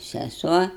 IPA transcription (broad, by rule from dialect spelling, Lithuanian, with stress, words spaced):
sʲɛˈsuɔ